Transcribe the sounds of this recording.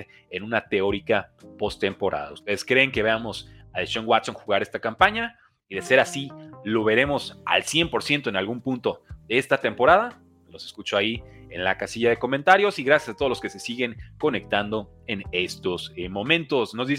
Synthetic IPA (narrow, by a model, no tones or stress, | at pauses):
enũnat̪e̞o̞ɾikapo̞st̪e̞mpo̞ɾʔa̰ða̰ust̪e̞ðe̞skɾe̞ːŋke̞βeamo̞saðesʃoŋɡwat̪so̞ŋxuɣaɾe̞st̪akampaɲa | iðe̞se̞ɾasilo̞βe̞ɾe̞mo̞sa̰lsje̞mpo̞ɾsje̞nt̪o̞e̞nalɣumpũnt̪o̞ðeest̪at̪e̞mpo̞ɾaða | lo̞se̞skut͡ʃo̞aie̞̰nlakasiʝaðe̞ko̞mẽnt̪aɾjo̞siɣɾasjasat̪ozloske̞se̞siɣe̞ŋko̞ne̞k̚t̪and̪o̞ | e̞nest̪o̞smõ̞mẽ̞nt̪o̞sno̞zðis